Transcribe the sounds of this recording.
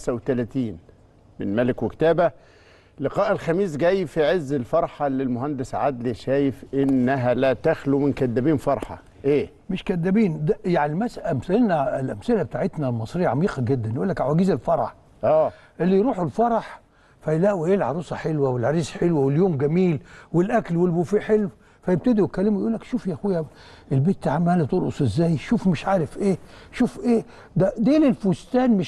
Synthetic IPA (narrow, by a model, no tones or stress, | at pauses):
msæwet̪ælæt̪iːn | mɪnmælɪkwɪkt̪æːbæ | lɪqɑːʔelxæmiːs̬ɡæjfiʕezːɪlfɑɾˤħɑlɪlmʊɦænd̪ɪsʕa̰d̪liʃæːjɪfʔɪnːæɦælæːt̪æxlumɪnkæd̪ːæbiːnfɑɾˤħɑ̰ | ʔeː | mɪʃkæd̪ːæbiːnd̪æjaʕnimæsʔæmsælnælʔæmsɪlæbet̪aːʕet̪nælmɑsˤɾijʕɑmiːqɑɡed̪ːænjʔuːlːækʕawæɡiːzelfɑɾˤɑħ | ʔæː | ʔelːijɾuːħolfɑɾˤɑħ | fæjlæːʔwiʔeːlʕɑɾuːsˤɑħelwæwelʕɑɾˤiːsħelwæwɪljoːmɡæmiːlwɪlʔæklwelbufiħelw | fæjeb̚t̪æd̪iwɪkːælːɪmujʔuːlːækʃuːfjæʔæxwejːæ | ʔelbeːt̪ːʕamːæːlit̪ˤolʔo̰sˤʔezːæːjʃuːfmeʃʕaːɾɪfʔeːʃuːfʔeː | d̪æd̪eːlelfust̪æːnmɪ